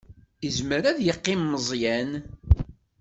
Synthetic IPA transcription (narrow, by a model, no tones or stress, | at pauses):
əzməɾæðjəqːɪmːəzˤjæn